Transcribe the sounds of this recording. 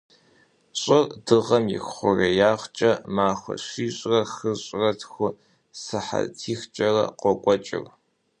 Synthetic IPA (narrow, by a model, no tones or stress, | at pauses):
ɕʼɨrdɨʁɐmjɪ̰xχʷʊrɐjaːʁt͡ʃʼɐmaːχʷɐ̰ɕiːɕʼrɐxɨɕʼrɐtʰxʷʊ | sɨħa̰tʰiːxt͡ʃʼɐrɐ̰qʷɔkʷʼɔt͡ʃʼɪ̰r